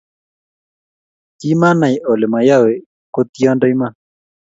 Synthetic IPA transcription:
t̪i˦ma˦na˨i˨ʔo˨le˨ma˨ja˦we˨ | ko˦t̪i˦ɔ˦ndɔ˦i˦ma˦

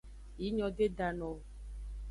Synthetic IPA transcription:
ji˨˦ɲɔ̃˨de˦da˨nɔ̃˨

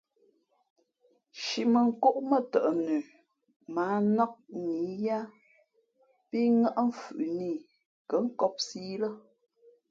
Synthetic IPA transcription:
ʃi˨mə˨ŋ̩˨ko˦ʔmə˦˨tə˨ʔnʉ˨ | maː˨˦nɔ˦k̚ni˨˦ja˦ | pi˦ŋa˦ʔm̩˦fʉ˨ʔni˦˨ | kə˨˦ŋ̩˦kɔ˦p̚siː˦lə˦

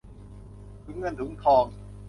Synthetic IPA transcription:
t̪ʰu˨˩˦ŋɤ˧˨nt̪ʰu˨˩˦ŋkʰɔː˧ŋ

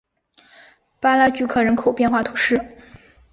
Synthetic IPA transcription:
pa˥la˥t͡ɕy˧˥kʰɤ˨˩ɻə˧˥nkʰo˨˩ʊpjɛ˥˧nxwa˥˩t̪ʰu˧˥ʂɻ̩˥˩

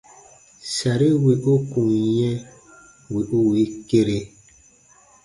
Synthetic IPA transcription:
sa˨ɾi˦wi˨ʔo˦ku˨ŋjɛ̃˦ | we˨ʔu˦wi˨˦ke˦ɾe˨

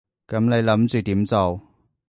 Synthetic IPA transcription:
kɐ˨˥mne˨˧jlɐ˨˥mt͡ʃyː˨t̪iː˨˥mt͡so˨w

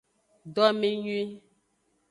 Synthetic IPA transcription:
dɔ˦mĩ˦ɲwi˦

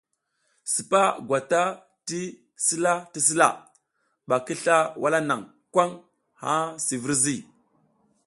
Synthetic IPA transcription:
si˨pa˦ɡʷwa˨ta˦ | ti˦ | si˦la˦ti˦s̬i˦la̰˦˨ | ɓa˨ki˦ɬa˦wʔa˦la˦na˨ŋ | kʷa˦ŋ | ha˦si˨vi˦ɾzi˦˨

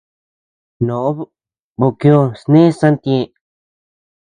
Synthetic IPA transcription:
nõ˨ʔo˦ | βo˧kĩ˧˦o˧snẽ˦sã˦nt̪jẽ˧

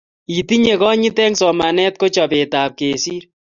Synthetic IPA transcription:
i˨ti˦ɲe˨kɔ˦ɲi˦tɛ˦ŋsɔ˨ma˨nɛ˦t̚ko˦t͡ʃɔ˨pe˨taː˨p̚keː˨siː˦ɾ

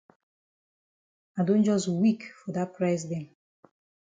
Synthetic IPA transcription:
a˨dõ˦nd͡ʒɔ˦s̬wi˦kfɔ˨da˦t̚pʰɹas̬dɛ̃˨n

